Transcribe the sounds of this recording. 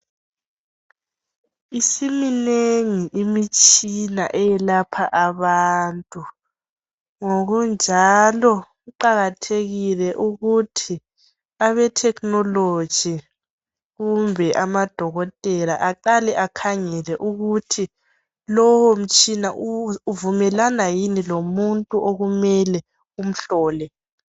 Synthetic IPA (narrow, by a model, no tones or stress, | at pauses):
isimineŋiʔimit͡ʃʼina̰ʔɛjɛlapʰaʔaβantʼu | ŋoɣund͡ʒʱalɔ | uǃaɣatʰeɣilɛʔuɣutʰi | aβɛtʰɛknɔlo̥ʒ̥ʱi | ɣumbʱɛʔamad̥ʱɔɣɔtʼɛlaʔaǃalɛʔakʰaŋɛlɛʔuɣutʰi | lɔwɔm̩t͡ʃʼinaʔuuvumɛlanajinilomuntʼuʔoɣumɛlɛ | um̩ɬɔːlɛ